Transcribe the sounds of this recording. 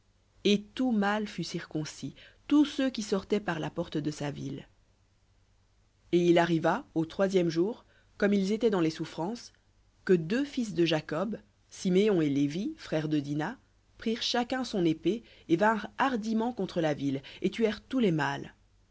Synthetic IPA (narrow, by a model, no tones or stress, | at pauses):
et̪umalfysiʁkɔ̃sit̪usøkʲisɔʁt̪ɛpaʁlapɔʁt̪d̪əsavḭl | eilaʁivaot̪χwazjɛmʒuʁ | kɔmilzet̪ɛd̪ɑ̃lesufχɑ̃s | kəd̪øfis̬d̪əʒakɔb | simeɔ̃elevifχɛʁd̪əd̪ina | pχiʁʃakɛ̃sɔ̃nepe | evɛ̃ʁaʁd̪imɑ̃kɔ̃t̪χəlavilet̪ɥɛʁt̪ulemal